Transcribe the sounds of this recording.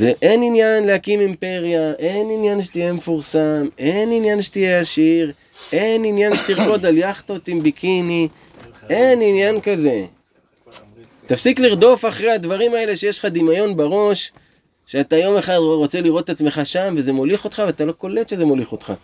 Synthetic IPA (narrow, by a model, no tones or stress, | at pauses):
zeʔe̞ninjanlehakimimpe̞ʁjaʔe̞ninjanʃ̬e̥t̪ijemefuʁsame̞ninjanʃe̥t̪ijeaʃiʁ | ʔe̞ninjanʃet̪iʁko̞d̪aljaχt̪o̞t̪imbikʰini | eninjankaze̞ | t̪afsikliʁd̪o̞faχʁehad̪vaʁimae̞leʃejeʃχad̪imajo̞nbaʁo̞ʃ | ʃeat̪ajo̞me̞χad̪ʁo̞t͡seliʁo̞t̪tːat͡smeχaʃamveze̞moliχo̞t̪χaveat̪alo̞ko̞le̞t̪ʃe̞ze̞mo̞liχo̞t̪χa̰